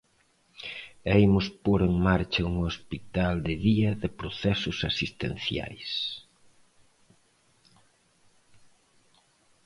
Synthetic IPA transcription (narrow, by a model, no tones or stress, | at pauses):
ejmʊspoɾeŋmaɾt͡ʃɐuŋospit̪ald̪ɪðiɐðɪpɾoθɛsʊsasist̪ḛn̟θja̰js